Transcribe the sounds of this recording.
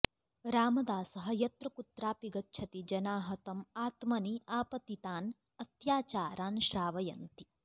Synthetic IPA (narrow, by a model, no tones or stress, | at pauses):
ɾaːmɐd̪aːsɐɦɐjɐt̪ɾɐkut̪ɾaːpiɡɐtːt͡ʃʰɐt̪id͡ʒɐnaːɦɐt̪ɐmaːt̪mɐniʔaːpɐt̪it̪aːn | ɐt̪jaːt͡ʃaːɾaːnʃɾaːʋɐjɐ̰nt̪i